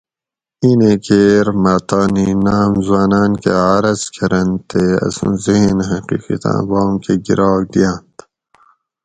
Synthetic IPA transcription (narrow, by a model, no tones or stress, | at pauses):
inekʰeːɾmaːt̪ɑːninaːmzwaːnaːnkḛaːɾɐzkʰɐɾɐnt̪ʰeɐ̰sṵ̃ziɦnɦɐqḭːqḭt̪ʰã̰ːbɑːmkeɡḭɾaːɡ̚d̪ijaːnt̪